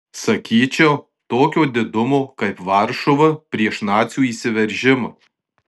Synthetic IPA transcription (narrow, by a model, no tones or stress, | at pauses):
sɐkʲiːt͡ʃʲɛ | t̪oːkʲoːd̪ʲɪd̪ʊmoːkɐɪpʋɑˑɾʃoʋɐpʲɾʲiɛʃnɑːt̪sʲjuːiːsʲɪʋʲɛɾʲˑʒʲɪmɐ